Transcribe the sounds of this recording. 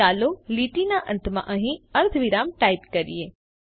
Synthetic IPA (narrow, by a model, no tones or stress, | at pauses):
aloliʈinaʔə̃nt̪ʰmã̰ʔəɦĩəɾt̪ʰʋiɾamʈaipkəɾḭe